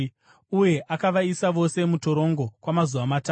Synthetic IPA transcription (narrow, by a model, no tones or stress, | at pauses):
uje̞ʔakaʋaisaʋo̞se̞muto̞ɾo̞ŋɡo̞kwamazuʋamataː